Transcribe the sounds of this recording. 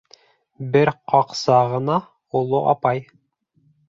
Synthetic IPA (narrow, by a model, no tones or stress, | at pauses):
bɘɾqɑqsɑʁɤ̆nɑ | ulˠoʔɑ̰pɑj